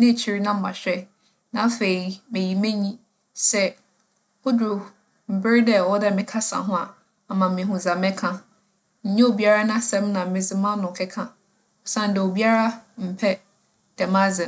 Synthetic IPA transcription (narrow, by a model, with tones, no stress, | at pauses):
nɪ̃˦˨t͡ɕʰi˦ɾi˦nã˦m̩˦mã˨ɕᶣɛ˦ | nã˨˦fe˨i˨mɪ̃˨ji˨mẽ˦ɲĩ˦ | sɛ˦ | o˦dʊ˨ɾʊ˨ | m̩˨bɪ˦ɪ˦dɛ˦˨wɔ˦dɛ˦˨mɪ̃˨kʰa˦sã̰˨ɦʊ̃˦a˨ | a˨mã˨mɪ̃˨ɦʊ̃˨zã˨mɛ̃˦kʰã˦ | ɲ̩˨ɲɛ̃˦o˨bi˦a˦ɾa˦nã˦sɛ̃˦mnã˨mɪ̃˨d͡zɪ˦mã˦nʊ̃˨kʰɛ˦kʰã˦ | ɔ˨sã˦n̩˨dɛ˨o˨bi˦a˦ɾa˦m̩˨pʰɛ˦ | d̥ɛ˨mã˦zɪ̃˨